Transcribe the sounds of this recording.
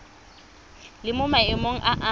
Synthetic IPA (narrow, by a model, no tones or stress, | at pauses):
lɪmʊmaɪmoŋ̩ʔaʔa